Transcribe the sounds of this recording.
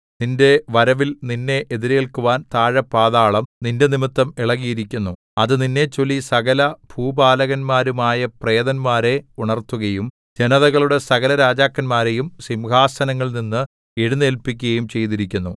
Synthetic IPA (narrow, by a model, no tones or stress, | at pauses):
ninde̞ʋɐɾɐʋilninːe̞ʔeðiɾe̞ːɭkuʋaːnt̪aːɻɐpːaːðaːɭɐmninde̞nimit̪ːɐmiɭɐɣijiɾikʲːunːu | ɐðɨninːe̞t͡ɕːo̞lːisɐɣɐlɐbʱuːbaːlɐɣɐnmaːɾumaːjɐpreːðɐnmaːɾe̞uɳɐrt̪ːuɣɐjum | d͡ʑe̞nɐðɐɣɐɭuɽe̞sɐɣɐlɐɾaːd͡ʑaːkːɐnmaːɾe̞jumsimɡaːsɐnɐŋːɐɭninːɨ | eɽunːelpikʲːuɣɐjumt͡ɕe̞jt̪iɾikʲːunːu